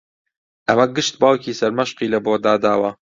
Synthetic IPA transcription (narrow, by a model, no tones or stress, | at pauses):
ʔɐmɐɡɨʃt̪̚baːwciːsɐɾmɐʃqiːlɐbod̪aːd̪aːwɐ